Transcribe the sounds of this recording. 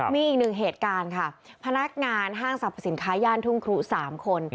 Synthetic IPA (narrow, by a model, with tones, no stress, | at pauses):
miː˧ʔiː˨˩k̚nɯ˨˩ŋɦeː˨˩t̪̚kaː˧nkʰa˥˩pʰa˧na˦˥k̚ŋaː˧nɦaː˥˩ŋsa˨˩pʰːa˧˩si˩˦nkʰaː˦˥jaː˥˩nt̪ʰu˥˩ŋkʰɾu˦˥saː˩˦mkʰo˧n